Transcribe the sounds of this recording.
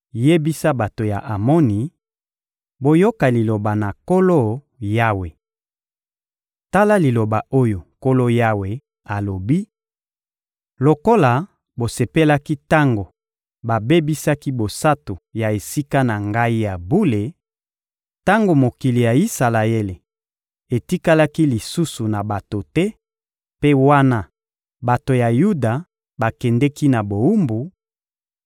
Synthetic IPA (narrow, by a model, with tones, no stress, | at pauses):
je˦bi˦sa˦ba˨to˨ja̰˨ʔa˨mɔ˦ni˨ | bo˨jo˦ka˨li˨lo˨ba˨na˨ko˦lo˦ | ja˦we˨ | ta˦la˦li˨lo˨ba˨o˦jo˨ko˦lo˦ja˦we˨ | a˨lo˨bi˦ | lo˨ko˦la˨ | bo˨se˨pe˦la˦ki˦ta˦ŋɡo˨ | ba˨be˦bi˦sa˦ki˦bo˨sa˦to˨ja˨e˨si˦ka˦na˨ŋɡa˦i˦ja˨bu˦le˨ | ta˦ŋɡo˨mo˨ki˨li˨ja˨i˦sa˨la˨e˦le˨ | e˨ti˦ka˦la˦ki˦li˨su˦su˨na˨ba˨to˨tɛ˦ | pe˦wa˦na˦ | ba˨to˨ja˨ju˦da˨ | ba˨kɛ˨ndɛ˦ki˦na˨bo˨u˦mbu˨